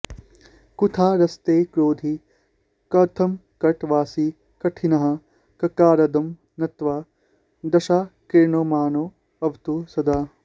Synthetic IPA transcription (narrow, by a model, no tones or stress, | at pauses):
kut̪ʰaːɾɐst̪eːkɾoːd̪ʱi | kɐt̪ʰɐmkɐʈʋaːsi | kɐʈʰinɐɦɐ̆ | kɐkaːɾɐd̪ɐm | nɐt̪ʋaː | d̪ɐʃaːkiɾɳoːmaːnoː | ɐʋt̪usɐd̪aː